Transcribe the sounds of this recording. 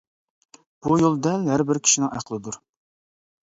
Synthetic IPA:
b̥ujolˠd̪ɛlɦæɾbɪɾkʲʰi̥ʃinɪŋæ̰χəlˠɪd̪uɾ

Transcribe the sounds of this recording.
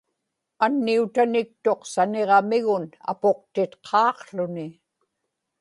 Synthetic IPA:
anːiut̪anɪk̚t̪o̞qsaneʁɑmɪɣʊna̰po̞q̚t̪ɪt̪qʰɑːqɬʊnɪ

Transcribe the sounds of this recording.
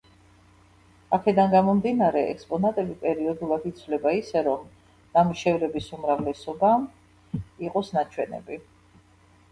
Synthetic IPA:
akʰɛd̪anɡamɔmd̪inaɾɛɛ̰kspʼɔnat̪ʼɛbipʼɛɾiɔd̪ulˠad̪it̪sʰvlɛbaisɛɾɔm | n̥amʃɛvɾɛbisumɾavlɛsɔba | iqʼɔsnat͡ʃʰwɛnɛ̰bi

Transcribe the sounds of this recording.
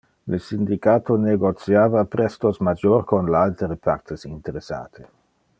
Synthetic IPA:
ləsind̪ikaːt̪ʰoneɡot̪sjaːvapɾɛst̪osmad͡ʒorkonlalt̪ɾepʰart̪ʰesint̪eɾesa̰ːt̪ʰe

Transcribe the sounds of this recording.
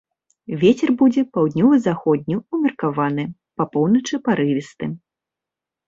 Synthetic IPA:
vʲet͡sʲɛrbud͡zʲɛpawd̪ʲnʲɔvɨzaxɔd̪̚ʲnʲuumʲɐrkavanɨ | pɐpɔwnɐt͡ʂɨpaɾɨvʲist̪ɨ

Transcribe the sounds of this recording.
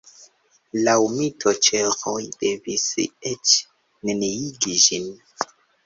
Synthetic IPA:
lawmitʰot͡ʃeɾojde̞viset͡ʃ | neneiɡid͡ʒin

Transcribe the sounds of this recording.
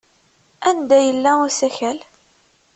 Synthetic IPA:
ænd̪æjəlːæʊsæçæl

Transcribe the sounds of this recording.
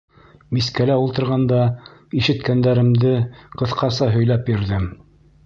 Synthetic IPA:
miskælæulˠt̪ɤ̆ɾʁɑnd̪ɑiʃɘ̆t̪kænd̪æɾɘ̆md̪ɘqɤ̆θqɑsɑɦɵ̆jlæpbiɾðɘm

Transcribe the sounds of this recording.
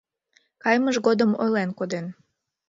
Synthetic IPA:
kɑjməʒɣod̪əmo̰jlenkod̪en

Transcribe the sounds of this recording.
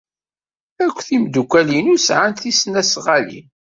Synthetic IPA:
ækʷːθimd̪ukʷːælinusʕanθisnæsʁælḭn

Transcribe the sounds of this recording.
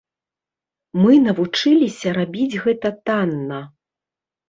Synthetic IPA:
mɨnɐvut͡ʂɨlʲisʲɐɾabʲid͡zʲɣɛt̪ɐt̪anːɐ

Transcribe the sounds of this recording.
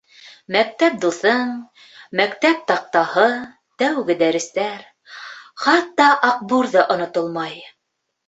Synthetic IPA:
mæk̚t̪æp̚d̪uθɤɴ | mækt̪æp̚t̪ɑq̚t̪ɑhɤ | t̪æwɡɘd̪æɾɘ̆st̪æɾ | χɑt̪ːɑʔɑq̚buɾðɑʔŏnŏt̪ŏlˠmɑj

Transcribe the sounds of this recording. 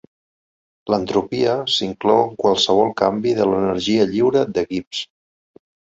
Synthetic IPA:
lənt̪ɾupiəsiŋklɔwəkwalˠsəβ̞ɔlˠkambiðələnəɾʒiəʎiwɾəd̪əɣips

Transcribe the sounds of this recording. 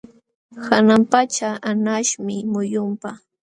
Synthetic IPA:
kanampat͡ʃaanaʃmɪmʊjʊmpa

